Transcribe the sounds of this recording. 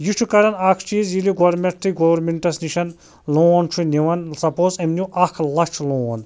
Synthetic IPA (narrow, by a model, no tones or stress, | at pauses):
jit͡ʃʰukɐɾɐnakʰt͡ʃiːzjiliɡoʋɐɾmʲeʈ̚t̪ʰɨɡoʋɐɾmeɳʈɐsniʃɐn | loːɐnt͡ʃʰuniʋɐnsɐpoːzɐmnʲuʔɐkʰlɐt͡ʃʰloːɐn